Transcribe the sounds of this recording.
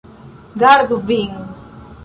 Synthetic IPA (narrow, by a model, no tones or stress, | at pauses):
ɡaɾðuviŋ